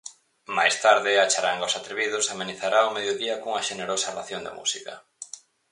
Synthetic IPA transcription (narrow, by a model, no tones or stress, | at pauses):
ma̰jst̪aɾðɪat͡ʃaɾaŋɡaosat̪ɾeβiðʊsameniθaɾʔaomeðjoðiɐkuŋɐʃeneɾosarlaθjond̪ḛmṵsikɐ̰